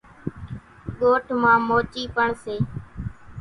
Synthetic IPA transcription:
ɠoːʈʰmãːmoːt͡ʃiːpəɳseː

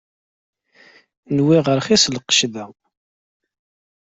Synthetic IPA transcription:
nwiʁəɾχislqə̥ʃðæ

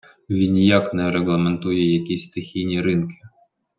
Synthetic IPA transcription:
vʲinʲjaknɛɾɛɣlˠɐmɛnt̪ujɛjakʲisʲt̪ɪxʲijnʲiɾɨnkʲɪ̥

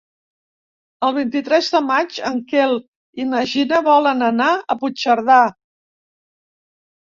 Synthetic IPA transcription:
əlˠβ̞int̪it̪ɾɛzðəmad͡ʒəŋkelˠ | iməʒinəβɔlənənaəput͡ʃəɾða

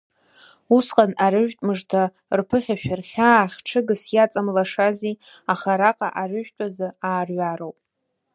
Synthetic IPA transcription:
usqʼanaɾɨʒᶣtʼmɨʐtʰa | rpʰɨχʲaʃᶣarχʲaχʲʈ͡ʂʰɨɡɨsjat͡sʼamlaʂaziaχaɾaqʼa̰ʔaɾɨʒᶣtʷʼazɨaːrɥaɾowpʼ

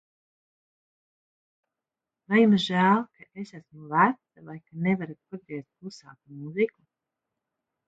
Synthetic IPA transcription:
vajimʒæːlˠkaʔesæsmuvæt̪savajkanevaɾat̪̚ad̪ɾiɛst̪̚kusa̰ːt̪umuziku

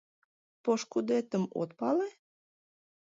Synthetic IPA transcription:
poʃkud̪et̪əmo̰t̪̚pɑle

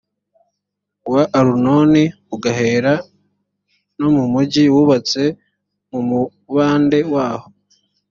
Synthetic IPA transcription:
waʔːɾuno̞ni | uɡaɦe̞ːɾa | no̞mumuɟiwuβat͡se̞ | mumu | βaːnde̞waːho̞

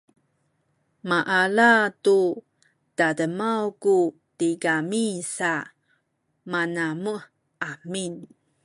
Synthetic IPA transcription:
maʔalatu | d̥adəmawku | tiɡamisa | manamu | ʔamin

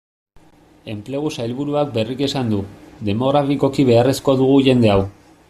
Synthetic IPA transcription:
e̞mple̞ɣ̞usajlβuɾuak̚be̞rike̞sand̪ud̪e̞mo̞ɣɾafiko̞kiβe̞are̞sko̞ðuɣ̞uʝe̞nd̪e̞aw

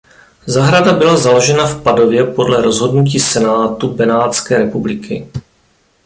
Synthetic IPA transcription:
zaɦɾadabɪlazalo̞ʒɛnafpado̞vjɛpo̞dlɛɾo̞zɦo̞dnuciːsɛnaːt̪ubɛnaːt̪t͡skɛːɾɛpublɪkɪ̰

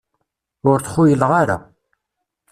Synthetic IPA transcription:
ʊɾθχʊjəlʁaɾa̰

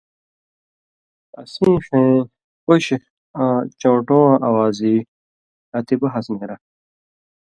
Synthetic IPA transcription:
ɐ̰sĩːxẽː | oɕix | at͡ɕõːʈõːãʔɐwaːziː | ɐt̪ibɐɦɐsneɾɐ

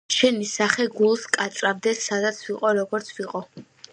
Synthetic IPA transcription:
ʃɛnisaχɛɡulˠskʼat̪sʼɾabd̪ɛsːad̪at̪sʰwiqʼɔɾɔɡɔɾt̪sʰwiqʼɔ

